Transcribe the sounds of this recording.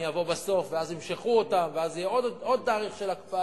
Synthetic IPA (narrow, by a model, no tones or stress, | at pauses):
javo̞baso̞fveazimʃeχuotamveazijɛodo̞d̪̚taːʁiχʃe̞lakpa